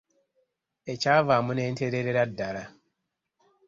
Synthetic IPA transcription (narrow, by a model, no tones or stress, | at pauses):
et͡ʃaːvaːmʊnen̩teɾeɾeɾadaɾa